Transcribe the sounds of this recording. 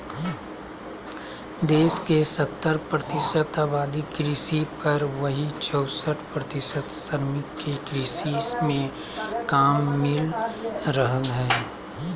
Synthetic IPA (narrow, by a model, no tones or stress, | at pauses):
d̪eːskesɐt̪ːəɾpɾət̪ɪʃət̪aːbaːd̪ikɾiːsipɐɾʋɐɦit͡ʃɔːsəʈʰpɾɐt̪ɪsət̪səɾmɪt̪kekɾiːsismẽ | kaːmːɪlɾəɦə̃ŋɦɛː